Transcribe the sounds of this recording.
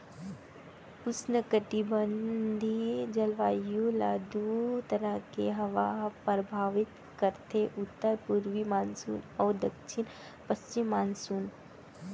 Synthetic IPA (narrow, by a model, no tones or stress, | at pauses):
ʊsnəkəʈibənd̪ʱid͡ʒɐlʋaːjulaːd̪ut̪ɐɾəkeɦɐʋapɾɐbʱaːʋɪt̪ | kəɾt̪ʰeʔut̪ːəɾpuɾʋimaːnsṵːnɔːd̪ɐkʃʰin | pɐst͡ʃimːaːnsuːn